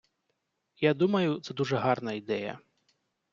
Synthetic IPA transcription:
jad̪umɐjut̪sɛd̪uʐɛɦarnɐid̪ɛjɐ̰

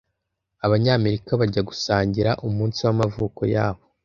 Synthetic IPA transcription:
aβaɲaːme̞ɾikaβaɟaɡusaːɲɟiɾaʔumuːnsiwamavuːko̰ja̰ːβo̞

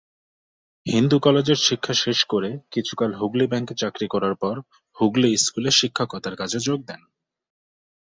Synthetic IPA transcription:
hind̪ukɔled͡ʑeɾʃikʰːaʃeʃkoɾekit͡ɕʰu̥kalɦuɡlibɛŋkt͡ɕakɾikɔɾaɾpɔɾ | huɡliskuleʃikʰːakɔt̪aɾkat͡ɕʰed͡ʑoɡ̚d̪ɛn

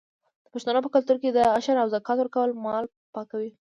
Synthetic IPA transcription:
d̪̥əpaʃt̪anopəkalt̪uɾked̪əaʃaɾawzakɑt̪wəɾkawəlmɑl | pɑkawi

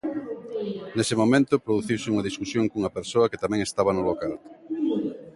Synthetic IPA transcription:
nesɪmomẽnt̪ʊpɾoðuθiwsɪuŋɐðiskusjoŋkuŋɐpeɾsoɐket̪amɛ̃ŋest̪aβɐnʊlokal

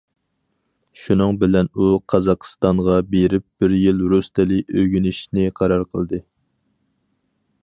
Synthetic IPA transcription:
ʃunɨŋbɪlɛnuqʰɑzɑqst̪ɑŋʁɑbeɾɪp̚b̥ɪɾjilɾust̪ʰɪlɪøɡʲynɪʃnɪqʰɑɾɑɾqʰəlˠd̪ɨ

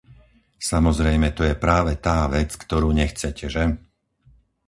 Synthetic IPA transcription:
samɔzɾɛjmɛt̪ɔjɛpɾaːʋɛt̪aːʋɛt͡skt̪ɔɾuːɲɛxt͡sɛcɛʒɛ

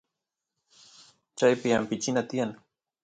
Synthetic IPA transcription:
t͡ʃajpɪampɪt͡ʃɪnat̪ɪjan

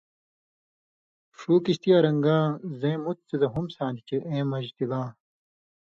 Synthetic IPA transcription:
ʂuːkiɕt̪ijaːɾɐŋɡãːzẽːmut̪̚t͡sezɐɦumsãːnd̪it͡ɕeʔẽːmɐʑt̪ilãː

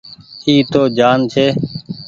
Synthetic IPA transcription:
iːt̪oːd͡ʒaːnt͡ʃʰeː

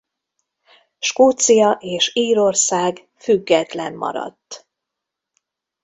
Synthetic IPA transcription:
ʃkoːt̪sijɒʔeːʃiːɾo̞rsaːɡ | fyɡːɛt̪lɛmːɒ̰ɾɒ̰t̪ː

